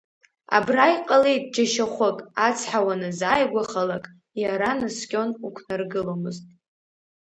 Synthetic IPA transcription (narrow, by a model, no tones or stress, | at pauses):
a̰brajqʼalejtʼd͡ʒaʃaχʷʊkʼat͡sʰħawanɨzajɡʷaχalakʼ | jaɾanɨskʲʼo̞nukʷʰnarɡɨlomɨztʼ